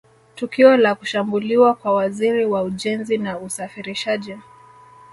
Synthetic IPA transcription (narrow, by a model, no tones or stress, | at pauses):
tukiɔlaku̥ʃambuliwakwawaziɾiwauʄɛnzinausafiɾiʃaʄi